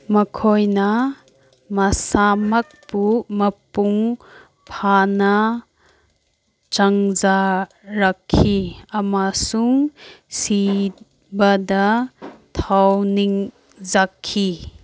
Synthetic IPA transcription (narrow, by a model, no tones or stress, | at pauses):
mɐkʰɔjna | mɐsamɐk̚pumɐpuŋ | pʰana | t͡ʃaŋza | ɾakʰːiɐmasuŋsi | bad̪at̪ʰawniŋ | zakʰːi